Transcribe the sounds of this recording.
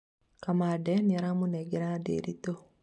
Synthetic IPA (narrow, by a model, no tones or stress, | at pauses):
kamadɛniaɾamunɛɡeɾadḛɾito